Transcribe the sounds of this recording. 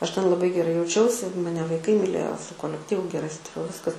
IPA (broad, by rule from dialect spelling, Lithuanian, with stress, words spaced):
ˈɐʃ tʲɛn lˠɐˈbɐɪ ɡʲɛˈrɐɪ jɛʊˈt͡ʃʲɛʊsʲɪ mɐˈnʲɛ ʋɐɪˈkɐɪ mʲɪˈlʲeːjoː sʊ koːlʲɛkˈtʲiːʋʊ ɡʲɛˈrɐɪ ˈsʊtɐrʲɛʊ ˈʋʲɪskɐs